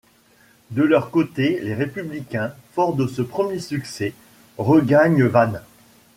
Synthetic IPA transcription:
d̪əlœʁkot̪eleʁepyblikʲɛ̃fɔʁd̪əsəpχəmjesyksɛ | ʁəɡaɲvan

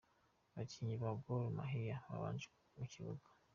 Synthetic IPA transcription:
βaciɲiβaɡoɾuma̰ɦijaβa̰βa̰ːnd͡ʒik | uciβuɡḁ

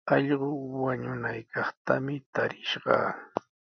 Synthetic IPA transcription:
ɑʎɢʊwaɲʊnajkɑχt̪amɪt̪aɾɪʃɢɑ̰ː

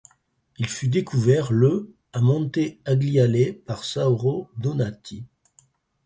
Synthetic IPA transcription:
ilfyd̪ekʰuvɛʁlə | amɔ̃t̪eaɡlialepaʁsauʁod̪onat̪ʰi

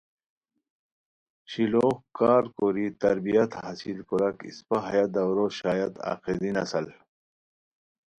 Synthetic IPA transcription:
ɕiloːkaːɾkoːɾit̪ɐɾbijɐt̪hɐsilkuɾɐkḭspaɦɐjad̪ɐwɾoɕaːjɐt̪a̰ːqed̪inɐsɐl

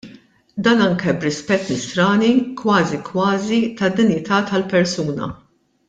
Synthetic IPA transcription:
d̪ɐːnɐŋkɛbɾɪspɛt̪ːnɪst̪ɾɐːnikwɐːzikwɐːzit̪ɐd̪ːɪnjɪt̪ɐːt̪ɐlpɛɾsuːnɐ̰

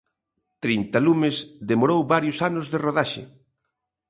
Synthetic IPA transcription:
t̪ɾint̪alumɪsðemoɾowβaɾjʊsanʊzðeroðaʃḛ

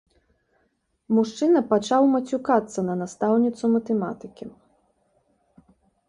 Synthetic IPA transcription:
muʂt͡ʂɨnɐpat͡ʂawmɐt͡sʲukat̪sːɐnɐnast̪awnʲit̪sumɐt̪ɛmat̪ɨkʲi

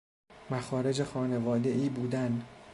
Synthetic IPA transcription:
mæxɒːɾe̞d͡ʒexɒːne̞vɒːd̪e̞ʔiːbuːd̪æn

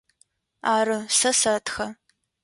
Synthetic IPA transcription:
aːrɨsɐsɐtxɐ

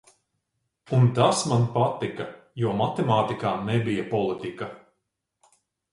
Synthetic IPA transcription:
unt̪asmanpat̪ikɐjuɔmat̪ɛmaːt̪ikaːnɛbijɐpɔlˠit̪ikɐ

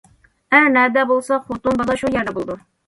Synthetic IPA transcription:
ænæd̪æbolˠsɑχut̪unbɑlˠɑʃujæɾd̪æbolˠd̪ʊ

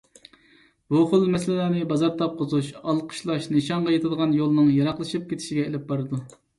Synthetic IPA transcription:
b̥uχʊlˠmɛs̬ɪlɪlæːnɨbɑzɑɾt̪ʰɑp̚qʰəzuʃɑlˠqʰə̥ʃlˠɑʃnɨʃɑɴʁɑjet̪ʰɨd̪əʁɑnjolˠɨnɨŋjɑɾɑqlˠɨʃip̚kʲʰet̪ʰɪ̥ʃiɡʲɛelɪp̚bɑɾɨd̪u

